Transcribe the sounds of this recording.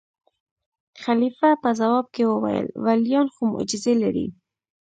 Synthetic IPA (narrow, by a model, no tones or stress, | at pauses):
xalifapəzawɑb̚kewəwa̰jə̰lwaljɑnxomʊ̰d͡ʒɪzelaɾḭ